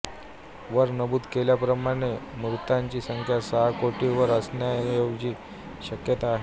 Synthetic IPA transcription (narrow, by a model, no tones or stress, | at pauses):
ʋəɾnəbuːt̪keljapɾəmaɽ̃emɾut̪aɲt͡ɕiːsəŋkʰjasəɦakoʈiʋəɾəsɳjajoɡd͡ʑiː | ɕəkjət̪aːɦe